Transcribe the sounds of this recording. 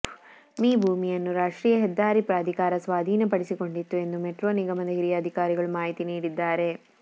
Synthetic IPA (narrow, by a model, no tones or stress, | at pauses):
miːbʱuːmijɐnːuɾaːʂʈɾiːjɐɦɛd̪ːaːɾipɾaːd̪ʱikaːɾɐsʋaːd̪ʱiːnɐpɐɽisiko̞ɳɖit̪ːue̞nd̪umeʈɾoːniɡɐmɐnd̪ɐɦiɾijɐːd̪ʱikaːɾiɡɐɭumaːɦit̪iniːɽid̪ːaːɾe̞